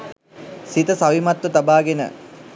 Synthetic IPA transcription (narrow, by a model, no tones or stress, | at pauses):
sit̪əsaʋimɐt̪wət̪abaːɡenə̰